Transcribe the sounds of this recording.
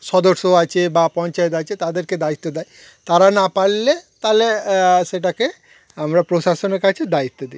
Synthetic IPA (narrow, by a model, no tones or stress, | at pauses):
ʃɔd̪oɾʃoat͡ɕʰebapɔnt͡ʃaet̪at͡ʃʰet̪ad̪eɾked̪ait̪ːod̪aj | t̪aɾanapaɽlet̪aleʃeʈ̬ake | amɾapɾoʃaʃoneɾkat͡ɕʰed̪ait̪ːod̪i